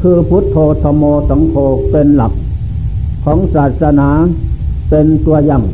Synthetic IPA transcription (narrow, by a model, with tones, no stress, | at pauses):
kʰɯː˧pʰu˦˥t̪ʰːoː˧t̪ʰɔː˧mɔː˧sa˨˦ŋkʰoː˧pe˧nla˨˩p̚ | kʰɔː˩˦ŋsaː˨˩t̪̚sa˧naː˨˦pe˧nt̪u˧ɐja˧˩ŋ